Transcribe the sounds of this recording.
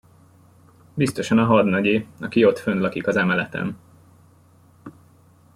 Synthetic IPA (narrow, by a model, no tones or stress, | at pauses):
bist̪o̞ʃɒnɒɦɒd̪nɒɟeːɒkio̞t̪fønd̪lɒkikɒzɛmɛlɛt̪ɛ̰n